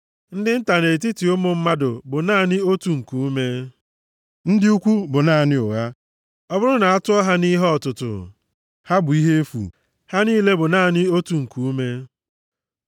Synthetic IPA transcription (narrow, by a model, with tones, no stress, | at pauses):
n̩˦dɪ˦n̩˦ta˨ne˨t̬i˦ti˨o˦mo˨m̩˦ma˦dʊ̰˨bʊ˨naː˦˨nɪ˦o˦tu˨ŋ̩˨ku˨u˦me˦ | n̩˦dɪ˦u˦kʷu˦bʊ˨na˦˨nɪ˦ʊ˨ɣa˦ | ɔ˦bʊ˦ɾʊ˦na˨a˦tʊ˦ɔ˦ɦa˦ni˦ɦɔ˨tʊ˨tʊ̰˨ | ha˦bʊ˨i˦ɦe˦e˦fṵ˨ | ha˦niː˦le˦bʊ˨naː˦˨nɪ˦o˦tu˨ŋ̩˨ku˨u˦me˦